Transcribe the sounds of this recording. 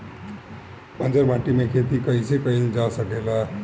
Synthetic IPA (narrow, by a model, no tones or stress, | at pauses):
pʌnd͡zʌrbãʈimekʰet̪ikʌisekʌined͡zasʌkelʌ